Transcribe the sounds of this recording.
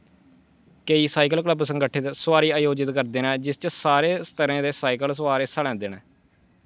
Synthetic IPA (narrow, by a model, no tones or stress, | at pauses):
kəiːsaːikəlkləbsə̃ŋɡəʈʰːɪt̪swaːɾiːaːjoːd͡ʒɪt̪kəɾd̪eːnɛ̃ːd͡ʒɪst͡ʃəsaːɾeːst̪əɾãːd̪eːsaːikəlsəʋaːɾeːsəlɛ̃ːd̪eːnɛ̃ː